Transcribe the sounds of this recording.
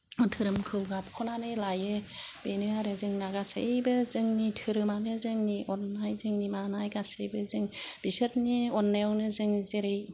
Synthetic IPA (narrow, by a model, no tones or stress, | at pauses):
ɔtʰɯɾɯmkʰɯwɡap̚kʰɔnanɯjlajɯbenɯaɾɯzɯŋnaɡasḛjbɯzɯŋnitʰɯɾɯmanɯzɯŋniʔɔnːajzɯŋnimanajɡasejbɯzɯŋb̥isɯt̚niɔnːewnɯzɯŋzeɾej